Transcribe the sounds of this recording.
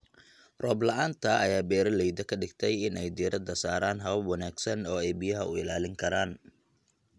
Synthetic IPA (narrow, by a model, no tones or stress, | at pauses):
rɔːblɐʔaːnt̪ʰɐːjaːbɛːɾɐlɛjd̪ɐkʰɐɖɪɡt̪ʰɛjɪnɛjd̪iːɾɐd̪ɐsaːɾaːnɦɐβɐbwɑnaːɡsɐnɔːɛjbɪjɐɦɐ̰ʊ̰ɪ̰laːlɪŋkʰɐɾaːn